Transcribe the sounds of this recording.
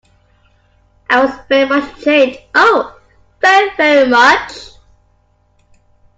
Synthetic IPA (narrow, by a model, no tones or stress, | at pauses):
ʔaɪwʌzvɛɹimʌt͡ʃtʰedʔoʊ | vɛɹivɛɹimʌt͡ʃ